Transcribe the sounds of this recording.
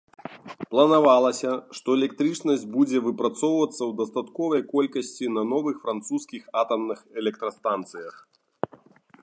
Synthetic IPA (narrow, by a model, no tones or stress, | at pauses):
plˠɐnavalˠɐsʲɐʂt̪ɔɛlʲɛkt̪ɾɨt͡ʂnɐsʲd͡zʲbud͡zʲɛvɨpɾat̪sɔwvɐt̪sːɐwd̪ɐst̪at̪kɔvɐjkɔlʲkɐsʲt͡sʲinɐnɔvɨxfɾant̪suskʲixat̪ɐmnɨxɛlʲɛk̚t̪ɾɐst̪ant̪sɨjɐx